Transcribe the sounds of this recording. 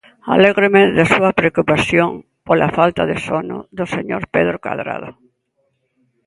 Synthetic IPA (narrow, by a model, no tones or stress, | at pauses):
a̰leɣɾemeðasuɐpɾeokupaθjoŋ | pola̰falt̪aðɪsonʊ̰ðʊseɲoɾpeðɾoka̰ðɾa̰ðʊ